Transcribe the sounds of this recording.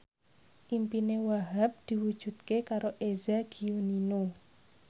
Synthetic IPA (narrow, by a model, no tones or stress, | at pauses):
ʔimpinewaɦap̚d̪̥i̤wud̥ʒ̥ṳt̪̚kekaɾoʔezaɡ̥iunino